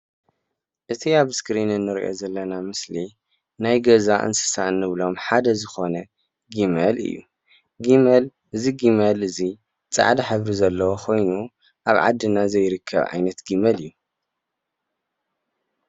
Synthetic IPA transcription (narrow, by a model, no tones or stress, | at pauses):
ʔɨt̪ʰiaβskɾinɨnːɨɾḭʔo̞̰zɐlːɐnamɨsli | najɡɐzaʔɨ̰nsɨ̥sanːɨβlo̞mħad̪ɐzɨxo̞nɐ | ɡimɐlɨ̰jːṵ | ɡimɐl | ʔɨziɡimɐlɨzi | t͡sʼa̰ʕd̪ɐħɨβɾizɐlːɐwoxʰo̞jnu | ʔaβʕa̰d̪ːɨnazɐjɾɨkʰːɐ̰βʕa̰jnɐt̪ɡimɐlɨjːu